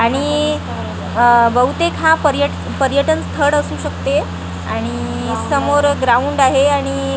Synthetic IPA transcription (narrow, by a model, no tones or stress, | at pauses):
aɽ̃i | bəɦut̪ekʰɦãpəɾjəʈ | pəɾjəʈənst̪ʰəɽəsuːɕəkt̪e | aɽ̃i | səmoɾɡɾauɳɖaɦeaɽ̃i